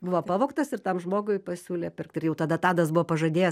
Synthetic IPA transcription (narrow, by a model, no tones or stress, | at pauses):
bʊʋoːpɑːʋoːkt̪ɐsɪrt̪ɐmʒmoːɡʊɪpɐsʲuːlʲeːpʲɪrk̚t̪ɪrjɛʊt̪ɐd̪ɐt̪ɑːd̪ɐs̬bʊʋoːpɐʒɐd̪ʲeːjɛ